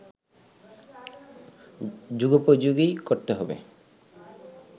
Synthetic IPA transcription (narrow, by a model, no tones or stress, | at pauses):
d͡ʒuɡɔpod͡ʒuɡikoɾt̪eɦɔbḛ